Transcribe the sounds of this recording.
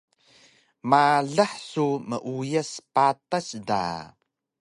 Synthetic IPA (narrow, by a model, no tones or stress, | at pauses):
maɮaħsuməʔujəspatasda̰